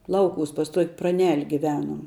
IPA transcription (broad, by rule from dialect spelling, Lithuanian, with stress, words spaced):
ˈlˠɐʊˌkuːs pɐs tuɔkʲ prɐˈnʲɛlʲ ɡʲɪˈʋʲæːnuɔm